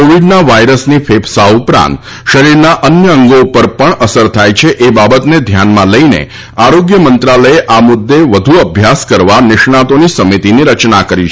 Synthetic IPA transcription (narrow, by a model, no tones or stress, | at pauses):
oʋiɖnaʋajɾəsnifʰepʰsaupɾã̰nt̪ | ʃəɾiɾnaʔənjəəŋɡoupəɾpəɳəsəɾt̪ʰajt͡ʃʰeʔebabət̪ned̪ʱjanmãləjnḛ | aɾoɡjəmənt̪ɾaləeʔamʊd̪ːeʋəd̪ʱuəbʱjaskəɾʋanɪʃɳat̪onisəmit̪iniɾət͡ʃnakəɾit͡ʃʰ